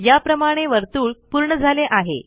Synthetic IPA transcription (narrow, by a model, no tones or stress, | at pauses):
japɾəmaɽ̃eʋəɾt̪uːɭpuɾɳəd͡zʱaleʔaɦḛ